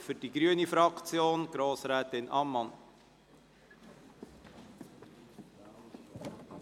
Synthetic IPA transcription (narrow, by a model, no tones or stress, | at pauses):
fʏɾdiɡ̥ɾyːənifɾɑkt͡sjoːnɡ̥ɾoːsɾɛːt̪ɪnʔɑmːɑn